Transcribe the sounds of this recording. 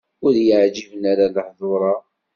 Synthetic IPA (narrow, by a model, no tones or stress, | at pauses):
ʊðjəʕd͡ʒivənaɾaləħðˤʊɾˤɑ